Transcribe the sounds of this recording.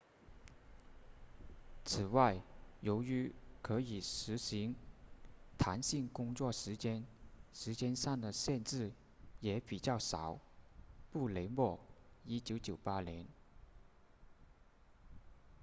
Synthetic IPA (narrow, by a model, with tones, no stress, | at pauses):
t͡s̩ʰ˨˩wa˥˩ɪjo˧˥ʊy˧˥kʰɤ˧˥i˨˩ʂɻ̩˧˥ɕi˧˥ŋ | t̪ʰa˧˥nɕi˥˩ŋkʊ˥ŋt͡swɔ˥˩ʂɻ̩˧˥t͡ɕjɛ˥nʂɻ̩˧˥t͡ɕjɛ˥nsɑ˥˩ŋd̪ə˩ɕjɛ˥˧nʈ͡ʂɻ̩˥˩ | jɛ˧˥pi˨˩t͡ɕjɑ˥˩ʊʂɑ˨˩˦ʊpu˥˩le˧˥ɪmwɔ˥˩i˥t͡ɕjo˧˥t͡ɕjo˨˩ʊpa˥ljɛ˧˥n